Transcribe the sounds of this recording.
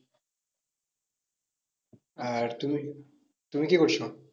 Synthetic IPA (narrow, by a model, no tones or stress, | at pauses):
aɾt̪umi | t̪umikikoɾt͡ɕʰo